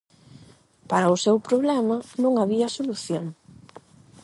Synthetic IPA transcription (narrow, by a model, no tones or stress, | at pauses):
paɾɐʊsewpɾoβlɛmɐnõŋaβiɐsoluθjoŋ